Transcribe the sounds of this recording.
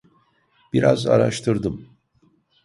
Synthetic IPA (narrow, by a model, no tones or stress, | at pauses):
b̥iɾa̰za̰ɾaʃt̪ʰɯɾd̪ɯm